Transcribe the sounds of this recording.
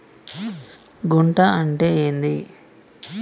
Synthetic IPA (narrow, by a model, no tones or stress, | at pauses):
ɡuɳʈaɐɳʈeːeːnd̪i